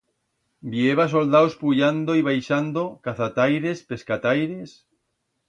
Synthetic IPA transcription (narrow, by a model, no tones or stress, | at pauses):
bjeβas̬old̪awspuʎand̪oiβ̞ajʃand̪okaθat̪ajɾespe̞skat̪ajɾes